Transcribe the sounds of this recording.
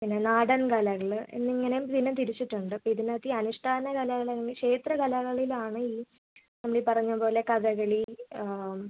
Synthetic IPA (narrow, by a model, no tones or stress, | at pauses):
pinːe̞naːɽɐnkɐlɐɣɐɭḛnːɨiŋːɐnejumt̪inːet̪iɾit͡ɕːiʈːuɳɖɨpːoiðinɐt̪ːiɐnuʂʈʰaːnɐkalɐɣɐɭɐlːeŋɡilkʂe̞ːt̪rɐkɐlɐɣɐɭilaːɳɨiː | nɐmːuɽipɐrɐɲːupo̞ːle̞kɐðɐɣɐɭi